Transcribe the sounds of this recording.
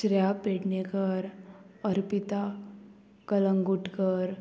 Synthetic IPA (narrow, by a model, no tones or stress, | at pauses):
ʃɾjapeːʈnekəɾɔɾpɪt̪a | kələ̃ŋɡʊʈkəɾ